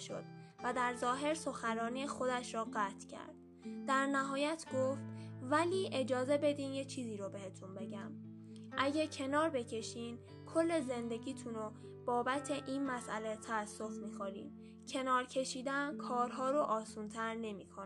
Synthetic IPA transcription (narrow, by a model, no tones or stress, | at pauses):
ʃo̰d̪̥̚ | væd̪æɾzɒːɦe̞ɾso̞xæɾɒːniːexo̞d̪æʃɾɔːɣæːt̪ʰcʰæ̰ɾd̪̥ | d̪æɾnæɦɒːjæt̪ʰɡ̥oft̪væliːʔe̞d͡ʒɒːze̞be̞d̪iːnjet͡ʃʰiːziːɾobe̞he̞t̪ʰunbe̞ɟæm | ʔæɟecʰe̞nɒːɾbe̞cʰe̞ʃiːn | kʰo̞lːe̞ze̞nd̪e̞ɟiːt̪ʰuno | b̥ɒːbæt̪ʰe̞ʔinmæsʔæle̞t̪ʰææsːo̞fmiːxoɾḭːn | cʰe̞nɒːɾcʰe̞ʃiːd̪ænkʰɒːɾɦɒːɾoʔɒːsuːnt̪ʰæɾne̞miːkʰon